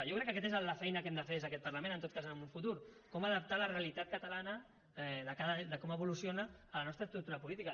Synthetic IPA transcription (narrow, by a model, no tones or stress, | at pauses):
jowkɾɛkːəkɛt̪ezələfɛjnəkɛmd̪əfeɾðezəkɛt̪pəɾləmẽnənt̪ot̪̚kazəmuɱfut̪uɾkɔməðəp̚t̪aləreəlit̪at̪̚kət̪əlanə | ɛðəkaðəd̪əkɔməβulusjonəːlənɔst̪ɾəst̪ɾuɾt̪uɾəpulit̪ikə